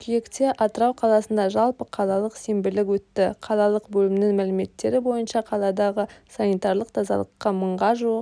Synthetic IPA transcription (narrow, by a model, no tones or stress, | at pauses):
kʲʰʏje̞kt̪e̞ʔɑt̪əɾɑwqʰɑlˠɑsənd̪ɑʒɑlˠpəqʰɑlˠɑlˠəqsembɪlɪkwɵt̪ːɪqʰɑlˠɑlˠəqbɵlɪmnɪŋmælɪme̞t̪ːe̞ɾɪbo̞jənʃɑqʰɑlˠɑd̪ɑʁəsɑnijt̪ɑɾlˠəq̚t̪ʰɑzɑ̰lˠəqːɑməɴʁɑʒuəq